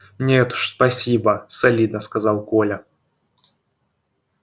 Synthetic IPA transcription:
nʲeɛt̪u̥ʂspɐsʲibəsɐlʲid̪nəskɐzɑlˠkolʲɐ

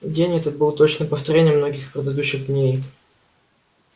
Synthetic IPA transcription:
dʲenʲɛt̪ət̪̚bɨlˠt̪o̞t͡ɕnəpəft̪ɐɾʲenʲɪjəmno̞ɡʲɪxpɾʲɪd̪ɐd̪uɕːɪɣd̪nʲej

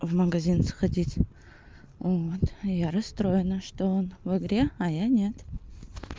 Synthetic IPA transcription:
vmɐɡɐzʲinsxadʲitʲ | vot̪jaɾɐst̪ɾo̞jənəʂt̪oonvɨɡɾʲeajanʲet̪

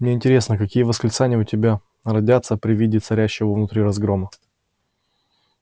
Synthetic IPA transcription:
mnʲe̞ɪnʲtʲɪɾʲe̞snəkɐkʲijəvəsklʲɪt̪sanʲɪjəʊtʲɪbʲa | rɐdʲat̪səpɾʲɪvʲidʲɪt̪sɐɾʲæɕːɪvəvnʊt̪ɾʲiɾɐzɡɾo̞mə

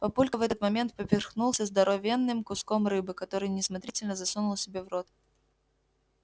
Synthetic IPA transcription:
pɐpulʲkəvɛt̪ət̪mɐmʲe̞nt̪̚pəpʲɪrxnulˠsʲəzd̪ɐɾovʲenːɨmkʊskomrɨbɨkɐt̪o̞ɾɨjnʲɪsmɐt̪ɾʲitʲɪlʲnəzɐsunʊlˠsʲɪbʲe̞vrot̪̚

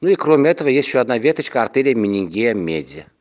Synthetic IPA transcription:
nuikɾomʲɪɛt̪əvəjesʲt̪ʲɕːoɐd̪navʲet̪ət͡ɕkəɐrt̪eɾʲɪjəmʲɪnʲɪŋʲɡʲejəmʲḛdʲə̰

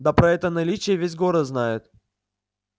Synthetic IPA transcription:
d̪apɾɐɛt̪ənɐlʲit͡ɕɪjəvʲezʲɡoɾəznajʊt̪

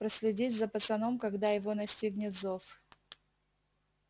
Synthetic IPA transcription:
pɾəsʲlʲɪdʲitʲzɐpət̪sɐnomkɐɡd̪ajɪvo̞nɐsʲtʲiɡnʲɪt̪zof

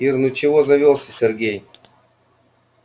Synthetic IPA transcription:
irnut͡ɕɪvozɐvʲolˠsʲɪsʲerɡʲej

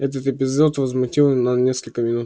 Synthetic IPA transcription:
ɛt̪ət̪ɪpʲɪzot̪vəzmʊtʲilˠnɐnʲeskəlʲkəmʲɪnut̪

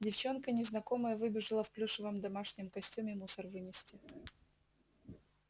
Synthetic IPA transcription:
dʲɪft͡ɕo̞nkənʲɪznɐko̞məjəvɨbʲɪʐɨlˠəfplʲuʂɨvəmd̪ɐmaʂnʲɪmkɐsʲtʲumʲɪmusərvɨnʲɪsʲtʲɪ

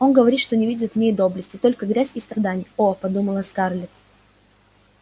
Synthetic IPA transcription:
o̞nɡəvɐɾʲit̪ʂt̪o̞nʲɪvʲidʲɪt̪vnʲejd̪o̞blʲəsʲtʲɪt̪o̞lʲkəɡɾʲæzʲɪst̪ɾɐd̪anʲɪjəopɐd̪uməlˠəskarlʲɪt̪

